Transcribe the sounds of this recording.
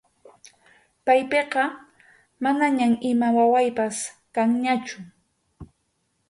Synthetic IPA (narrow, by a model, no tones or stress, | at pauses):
pajpeqɑ | manaɲamɪmawawajpaskaŋɲat͡ʃʊ